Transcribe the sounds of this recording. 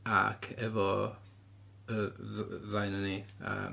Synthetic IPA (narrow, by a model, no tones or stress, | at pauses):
a̰kʰɛvɔ | ə | ðajnənia̰